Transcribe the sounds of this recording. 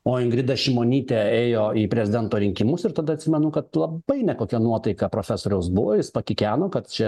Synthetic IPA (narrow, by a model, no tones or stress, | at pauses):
oːɪŋɡɾʲɪd̪ɐʃʲɪmoːnʲiːt̪ʲeːeːjoːiːpʲɾʲɛzʲɪd̪ʲɛnt̪oːɾʲɪŋʲkʲɪmʊsɪɾt̪ɐd̪ɐɐt̪ʲsʲɪmʲɛnʊkɐt̪lˠɐb̥ɐɪnʲɛkoːkʲɛnuɔt̪ɐɪkɐpɾoːfʲæsoːɾʲɛʊsbʊʋoːjɪspɐkʲɪkʲæːnoːkɐt̪t͡ʃʲɛ